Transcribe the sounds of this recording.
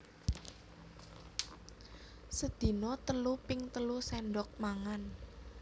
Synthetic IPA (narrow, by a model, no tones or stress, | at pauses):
səd̪̥i̤nɔt̪əlupɪŋt̪əlusɛɳɖɔk̚maŋan